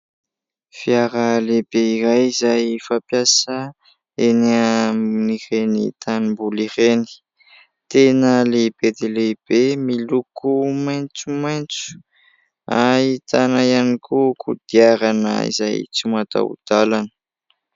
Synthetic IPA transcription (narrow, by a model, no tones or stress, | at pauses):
fiaɾəlebeiɾajizajfapjasə | eneaniɾenit̪animbuliɾeni̥ | t̪enəlebed̪eleb̥emilukumajnt͡sumajnt͡su̥ | ait̪ʰanaianikʰukʰud̪̥iaɾanə̰ḭza̰jt͡simat̪a̰ṵd̪̥alanə̥